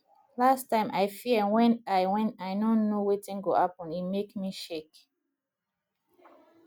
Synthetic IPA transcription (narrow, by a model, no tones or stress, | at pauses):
lastãɪ̃mʔaɪfiwɛ̃naɪwɛ̃naɪnɔ̃nːowetĩnɡohapɔ̃nimekmiʃek